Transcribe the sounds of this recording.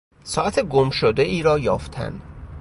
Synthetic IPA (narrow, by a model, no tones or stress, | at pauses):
sɒːʔæt̪ʰeɡomʃod̪eʔiːɾɒːjɒːft̪ʰæ̰nd̪̥